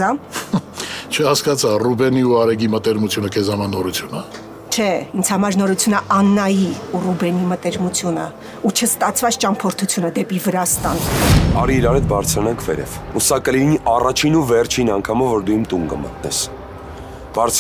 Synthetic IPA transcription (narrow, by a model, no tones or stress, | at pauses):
ɑ | t͡ʃʰəhɑskɑt͡sʰɑrubɛniuɑɾɛɡimət̪ɛɾmut͡sʰjunəkʰɛzɑmɑnɔɾut͡sʰjunə | t͡ʃʰɛint͡sʰhɑmɑɾnɔɾut͡sʰjunəʔɑnːɑjiurubɛnimət̪ɛɾmut͡sʰjunə̰ | ut͡ʃʰəst̪ɑt͡sʰvɑt͡sʰt͡ʃɑmpʰɔɾt̪ʰut͡sʰjunəd̪ɛpivəɾɑst̪ɑnɑ̰ɾiːɾɑɾɛt̪̚bɑɾt͡sʰɾɑnɑŋkʰvɛɾɛ̰vusɑkəliniʔɑrɑt͡ʃʰinuvɛrt͡ʃʰinɑŋkʰɑmɔvːɔɾd̪ujɛmt̪uŋɡə̰mə̰t̪nɛ̰s | b̥ɑɾt͡sʰ